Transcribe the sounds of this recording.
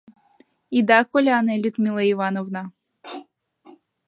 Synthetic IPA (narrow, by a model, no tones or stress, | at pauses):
id̪akolʲanɛlʲut̪mʲilˠɐivanovna